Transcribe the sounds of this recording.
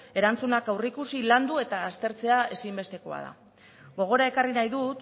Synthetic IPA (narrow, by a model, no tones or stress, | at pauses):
e̞ɾant͡sunakawrikusiland̪ue̞t̪aːst̪e̞ɾt͡se̞ae̞simbe̞st̪e̞ko̞a̰ð̞a̰ | ɡo̞ɣ̞o̞ɾae̞karinajðut̪